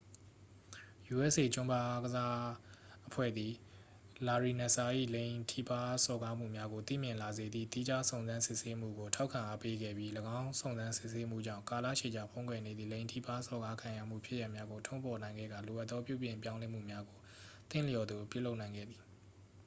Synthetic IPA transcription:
ju˨ʔɛ˦ʔse˨t͡ɕʊ̃˦mba˦ʔa˦ɡəza˦ʔəpʰwɛ̰˦˨d̪ði˨ | la˨ɹi˨na˨sa˨ʔḭ˦˨lẽ˨ɪ̃tʰi˦˨pa˦sɔ˨ɡa˦m̥ṵ˦˨mja˦ɡo˨t̪ḭ˦˨mjɪ̃˨la˨ze˨d̪ðḭ˦˨t̪i˦d͡ʑa˦sõ˨ʊ̃nzã˦nsɪ˦ʔse˦m̥ṵ˦˨ɡo˨tʰa˦ʊkʰːã˨ʔa˦pe˦ɡɛ̰˦˨bji˦ləɡã˦ʊ̃sʰõ˨ʊ̃nzã˦nsɪ˦ʔse˦m̥ṵ˦˨d͡ʑã̰˦˨ka˨la̰˦˨ʃe˨d͡ʑa˨pʰõ˦ʊ̃kwɛ˨ne˨d̪ðḭ˦˨lẽ˨ɪ̃ntʰḭ˦˨pa˦sɔ˨ɡa˦kʰã˨ja̰˦˨m̥ṵ˦˨pʰjɪ˦ʔja˦ʔmja˦ɡo˨tʰõ˦mpʰɔ˨nã˨ɪ̃ŋɡɛ̰˦˨ɡa˨lo˨ʔa˦t̪ːɔ˦pjṵ˦˨bjɪ̃˨mpjã˦ʊ̃lɛ˦m̥ṵ˦˨mja˦ɡo˨ | t̪ɪ̰̃˦˨lə˨jɔ˨d̪ðo˨pjṵ˦˨lo˦ʔnã˨ɪ̃ŋɡɛ̰˦˨d̪ði˨

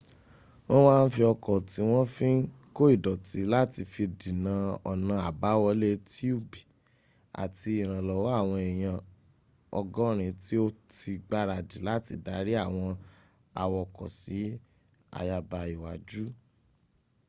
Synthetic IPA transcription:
wɔ̃˦w̃ãː˦˧n̩˦fi˧ɔ˧kɔ˨ti˨˦w̃ɔ̃˦fĩ˦ | ko˦i˦˨dɔ˨ti˨˦la˦ti˧fi˧di˨nã˨˦ɔ̰˨nã˧a˨ba˨˦wɔ˧˦le˦ti˦u˦˨bi˨ | a̰˨ti˧i˨ɾ̃ã˨lɔ˨wɔ˦a˦˨w̃ɔ̃˧e˨j̃ã˧ | ɔ˧ɡɔ̃˦ɾ̃ĩ˧ti˦o˦ti˧ɡ͡ba˦ɾa˧˨di˨la˦ti˧da˨˦ɾi˦a˦˨w̃ɔ̃˧ | a˧wɔ˧˨kɔ̰˨si˨˦ | a̰˧ja˧ba˧i˨wa̰˨d͡ʒu˦

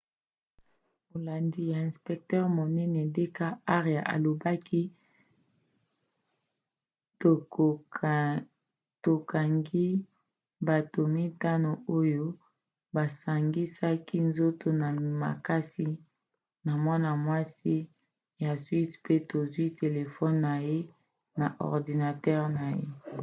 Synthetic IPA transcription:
mo˨la˨ndi˦ja˨ɛ̃˨spɛ˨k̚tɛ˦ʁmo˨nɛ˦nɛ˨de˦ka˦a˦ʁja˨ʔa̰˨lo˨ba˦ki˦ | to˨ | to˨ka˨ŋɡi˦ | ba˨to˨mi˦ta˦no˨o˦jo˦ | ba˨sa˨ŋɡi˦sa˦ki˦nzo˦to˨na˨ma̰˨ka˦si˦ | na˨mwa˦na˨mwa˦si˦ | ja˨swi˦spe˦to˨zwi˦tʰe˨le˨fɔ˦nːa˨je˦ | na˨ʔɔ̰˨ʁdi˨na˨tɛ˦ʁna˨je˦

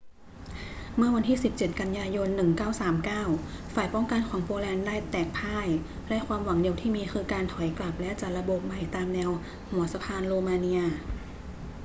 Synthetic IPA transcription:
mɯ˥˩ɐwa˧nt̪ʰiː˥˩si˨˩p̚t͡ɕe˨˩t̪̚ka˧njaː˧jo˧nːɯ˨˩ŋkaː˥˩wsaː˩˦mkaː˥˩wfaː˨˩jpɔ˥˩ŋka˧nkʰɔː˩˦ŋpoː˧lɛː˧ndaː˥˩jt̪ɛː˨˩k̚pʰaː˥˩j | lɛ˦˥ʔkʰwaː˧mwa˩˦ŋdi˧əwt̪ʰiː˥˩miː˧xʰɯː˧kaː˧nt̪ʰɔ˩˦jkla˨˩p̚lɛ˦˥ʔt͡ɕa˨˩la˧bo˨˩p̚ma˨˩jt̪aː˧mnɛː˧w | hu˩˦ɐsa˧pʰaː˧nɾoː˧maː˧ni˧ɐ

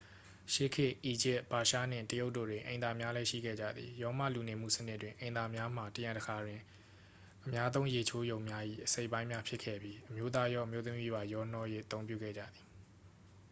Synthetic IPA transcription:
ʃe˦˨kʰɪ˦˨ʔi˨d͡ʑɪ˦ʔb̥a˨ʃa̰˦˨n̥ɪ̰̃˦˨ntəjo˦ʊtːo̰˦˨dwɪ̃˨ʔẽ˨ɪ̃nd̪a˨mja˦lɛ˦ʃḭ˦˨ɡɛ̰˦˨d͡ʑä̰˦˨d̪ðḭ˨jɔ˦ma̰˦˨lu˨ne˨m̥ṵ˦˨sənɪ˦twɪ̃˨ʔẽ˨ɪ̃na˨mja˦m̥a˨təjã˨ntəkʰa˨dwɪ̃˨ | ʔəmja˦zõ˦ʊ̃je˨t͡ɕʰo˦jõ˨ʊ̃mja˦ʔḭ˦˨ʔəse˦ɪpːã˦ɪ̃mja˦pʰjɪ˦kʰɛ̰˦˨bji˦ʔəmjo˦t̪̬a˦jɔ˦ʔə˨mjo˦t̪əmi˦ba˨jɔ˦n̥ɔ˦je˦˨ʔət̪õ˦pjṵ˦˨ɡɛ̰˦˨d͡ʑä̰˦˨d̪i˨

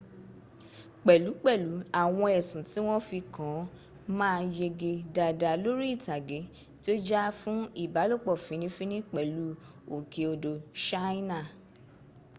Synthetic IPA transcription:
k͡pɛ˨lu˨˦k͡pɛ˦˨lu˨˦a˦˨w̃ɔ̃˧ɛ˨sũ˨ti˨˦w̃ɔ̃˦fi˧kã˨˦ | mãː˦˧je˧ɡe˧da˨da˨lo˦ɾi˦i˦˨ta˨ɡe˨˦ | ti˦o˦d͡ʒa˦fũ˦i˦˨ba˨˦lo˦˨k͡pɔ˦˨fĩ˨˦nĩ˦fĩ˦nĩ˦k͡pɛ˨lu˨˦ | o˨ke˧o˧do˧ʃa˦ĩ˦nã˦˨

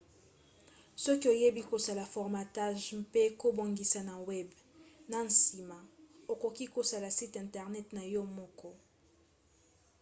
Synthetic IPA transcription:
sɔ˦ki˦o˨je˦bi˦ko˨sa˨la˨fɔ˨ʁma˨ta˦ʒpe˦ko˦bo˨ŋɡi˨sa˨na˨wɛ˦b | na˨n̩˨si˨ma˨o˨ko˨ki˦ko˨sa˨la˨si˦tɛ̃˨ntɛ˨ʁnɛ˦tna˨jɔ˦mɔ˦kɔ˦

